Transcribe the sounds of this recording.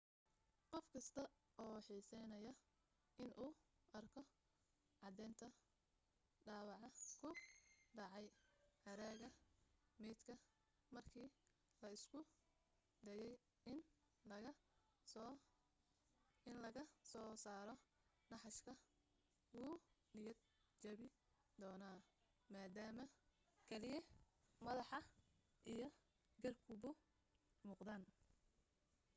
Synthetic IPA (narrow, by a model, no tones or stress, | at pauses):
qɔfkʰɐst̪ʰɐɔːħiːsɛjnɐjɐ | ɪnʔuː | ʔɐrkʰɔ | ʕɑd̪ɛːnt̪ʰɐ | ɖɑːwɑʕɑkʰʊɖɑʕɑjhɐɾaːɣɐmɛːd̪kʰɐ | mɐrkʰiː | lɐɪskʰʊ | d̪ɛjɛj | n | ɪnlɐɣɐsɔːsaːɾɔ | nɑħɑʃkʰɐ | wuː | nɪjɐd̪ | t͡ʃɐβɪ | d̪ɔːnaː | maːd̪aːmɐ | kʰɛlɪjɛmɐðɑħɑ | ʔijɞ | ɡɐrkʰʊbʊ | muːqd̪aːn